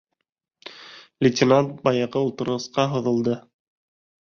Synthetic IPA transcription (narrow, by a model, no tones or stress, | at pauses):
lʲɪtʲɪnant̪̚bɑjɑʁɤulˠt̪ɤ̆ɾɤ̆sqɑɦŏðɤ̆lˠd̪ɤ